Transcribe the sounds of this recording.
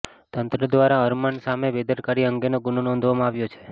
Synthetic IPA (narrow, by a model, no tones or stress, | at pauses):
t̪ənt̪ɾəd̪ʋaɾaəɾməɳsamebed̪əɾkaɾiəŋɡenoɡʊnonɔ̃nd̪ʱʋamãaʋjot͡ʃʰe̥